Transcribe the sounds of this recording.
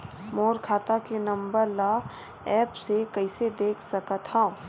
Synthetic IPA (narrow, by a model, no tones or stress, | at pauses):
moːɾkʰaːt̪akenɐ̃mbəɾla | ɛːpsekɐɪsed̪eːkʰsɐkət̪ɦã